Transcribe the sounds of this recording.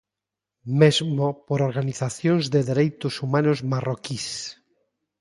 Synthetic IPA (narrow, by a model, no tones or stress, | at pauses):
mezmopoɾoɾɣaniθaθjonzðeðeɾejt̪ʊsumãnozmarokis